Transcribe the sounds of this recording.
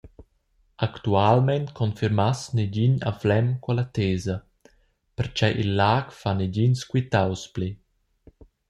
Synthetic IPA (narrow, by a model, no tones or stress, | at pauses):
akt̪ualmɛnt̪kʰɔnfiɾmasneɟiɲa̰flɛmkalat̪eːzɐ | pɛɾt͡ʃɛʔilːaːkfaneɟinskwit̪awspli